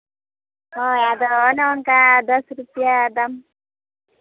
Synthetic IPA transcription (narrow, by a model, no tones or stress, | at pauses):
ɔjad̪ɔnaɔŋkad̪ɔsɾupijad̪am